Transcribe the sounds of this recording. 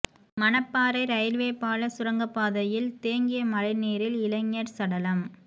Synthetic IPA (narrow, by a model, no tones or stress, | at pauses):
mɐnɐpːaːɾɐɪɾɐjɪɾʋeːpaːlɐsʊɾɐŋɡɐpːaːðɐjɪlt̪eːŋɡɪjɐmɐɾɐɪneːɾɪlɪlɐŋːɐɾsɐɽɐlɐm